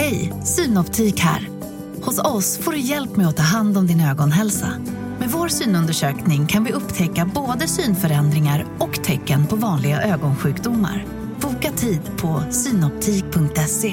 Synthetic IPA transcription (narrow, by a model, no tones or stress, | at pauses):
hɛjsyːnɔpt̪ʰiːkhæ̰ːɾ | hʊsɔsfoːɖɵjɛlpmɛjɔt̪ʰɑːɦand̪ɔmd̪ɪnøːɡɔnɦɛlsa̰ | mɛd̪voːɾsyːnɵnd̪əʂøːknɪŋkʰanvɪɵpːt̪ʰɛkːaboːd̪əsyːnfœɾɛnd̪ɾɪŋaɾɔkt̪ʰɛkːənpʰɔvɑːnlɪɡaʔøːɡɔnɧʉ̟ːkd̪ʊmːa̰ɾ | b̥uːkat̪ʰiːd̪pʰɔsyːnɔp̚t̪ʰiːk̚pʰɵŋk̚t̪ɛse